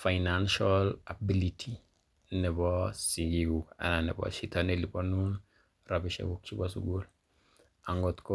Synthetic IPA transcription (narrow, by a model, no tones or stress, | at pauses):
fajnanʃalabilitʰi | nɛbɔsiɡiɡua̰nanɛ̰bɔ̰ʃitaneliponun | rabiʃḛɡuk̚t͡ʃibosṵɡul | aŋɡotko